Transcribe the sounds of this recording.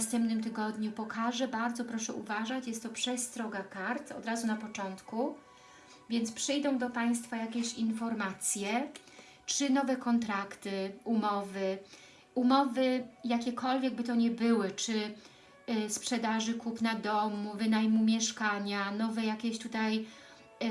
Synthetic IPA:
st̪ɛmpnɘmt̪ɘɡɔd̪ɲupɔkʰaʐɛbaɾd̪zɔpɾɔʂɛʔṵvaʐat͡ɕjɛst̪ːɔpʂɛst̪ɾɔɡakaɾt̪ɔ̰d̪ɾazunapɔt͡ʂɔnt̪ku | vʲjɛnt̪spʂɘjd̪ɔ̃w̃d̪ɔpaj̃st̪fajakʲɛɕinfɔɾmat̪sʲjɛ | t͡ʂɘnɔvɛkɔnt̪ɾakt̪ɘumɔvɘ | umɔvɘjakʲɛkʰɔlvʲjɛɡ̚bɘt̪ɔɲɛbɘwɘt͡ʂɘ | spʂɛd̪aʐɘkupnad̪ɔmuvɘnajmumʲjɛʂkaɲanɔvɛjakʲɛɕt̪ut̪aj

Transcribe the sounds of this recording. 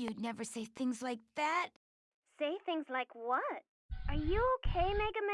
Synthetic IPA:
jɨdⁿnɛvə˞seɪθɪ̃ŋzlaɪk̚ðæt̚ | seɪθɪ̃ŋzlaɪkwʌt̚ | ʔə˞jɨoʊkʰeɪmɛɡɨmɛ̃

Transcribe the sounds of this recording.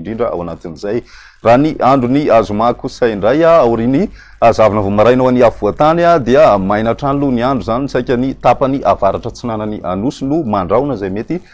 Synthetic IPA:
ɳɖ͡ʐiɳɖ͡ʐəa̰wanat̪inizaj | raniʔaɳɖ͡ʐuniazumakusajɳɖ͡ʐajaawɾini | azavanəvomaɾajnowaniavuat̪anad̪eəmajnaʈ͡ʂaniluniaɳɖ͡ʐuzanisajkʲanit̪apaniʔavaɾaʈ͡ʂət͡sinananiʔanusinumaɳɖ͡ʐawnəzajmet̪i

